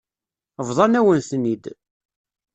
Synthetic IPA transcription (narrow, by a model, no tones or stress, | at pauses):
əvðˤɑnæwənθnid̪